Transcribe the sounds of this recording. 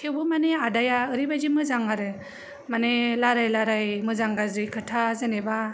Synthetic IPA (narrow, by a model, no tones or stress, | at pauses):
tʰewbɯmaneadajaɯɾibajzimɯzaŋaɾɯ | manelaɾajlaɾajmɯzaŋɡazɾikʰɯtʰazeneba